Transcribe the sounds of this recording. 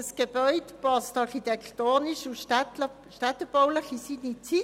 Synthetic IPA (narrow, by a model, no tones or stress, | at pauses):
sɡ̥eb̥œʏdpɑstɑʁχit̪ɛkt̪oːniʃuʃtə | ʃtat̪ːəb̥ɔwləχisinit͡si